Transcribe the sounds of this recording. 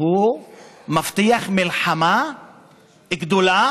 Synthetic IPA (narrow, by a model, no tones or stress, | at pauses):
u | maft̪iaχmilħama | ɡd̪ola